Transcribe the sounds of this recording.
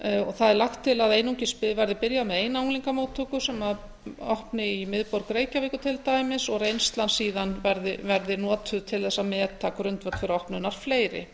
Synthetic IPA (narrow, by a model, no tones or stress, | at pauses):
ɔɣθaðɛɾlaxt̪ʰːɪlaðejnuwɲcɪspɪðvajɾðɪpɪɾjamɛðeːjnauŋliŋkamoːwt̪ʰːukʏsɛmað | ɔhpnɪimɪðpɔɾkɾeːjcavɪːkʏt̪ʰɪlt̪aːjmɪsɔɣɾejnst̪lansiːðanvɛɾðɪvɛɾðɪnɔːt̪ʰʏt̪ʰɪlθɛsːamɛːt̪ʰːakɾʏnt̪vœk̪fɪɾɪɔhpnʏnaɾ̥fleːjɾɪ̰